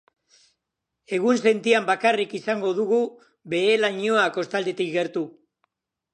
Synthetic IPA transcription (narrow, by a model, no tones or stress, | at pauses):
e̞ɣ̞unse̞nt̪iambakarikisaŋɡo̞ðuɣu | be̞elaɲo̞ako̞st̪ald̪e̞t̪ikɡe̞ɾt̪u